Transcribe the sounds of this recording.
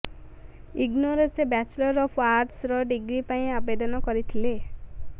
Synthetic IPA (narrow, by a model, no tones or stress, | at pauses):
iɡnoɾensebat͡ʃlɔɾɔpʰwaɾʈsɾɔɖiɡɾipaĩabed̪ɔnɔkɔɾit̪ʰile